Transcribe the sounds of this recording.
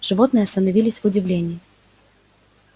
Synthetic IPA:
ʐ̥ɨvɔt̪nɨjɐst̪ɐnɐvʲilʲɪsʲvʊd͡zʲɪvlʲenʲɪː

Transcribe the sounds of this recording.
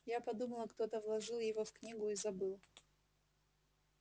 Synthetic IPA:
japɐd̪uməlˠəkt̪o̞t̪əvlˠɐʐɨlˠjɪvofknʲiɡʊizɐbɨlˠ

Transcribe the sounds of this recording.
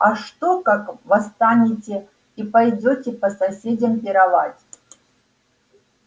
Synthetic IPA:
aʂt̪okakvɐst̪anʲɪtʲe | ipajdʲotʲɪpɐsɐsʲedʲɐmpʲɪɾɐvatʲ

